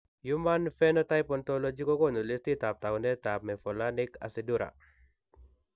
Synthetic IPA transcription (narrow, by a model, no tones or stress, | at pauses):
jumanfɛnɔtajpɔntɔlɔd͡ʒikokɔnulistitap̚t̪awndɛtap̚mɛfɔlanɪka̰siduɾa̰